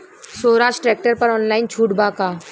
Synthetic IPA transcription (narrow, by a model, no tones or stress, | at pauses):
soːɾãːsʈɾɛːk̚ʈəɾpɐɾɔːnlaːɪnt͡ʃʰuːʈbaːkaː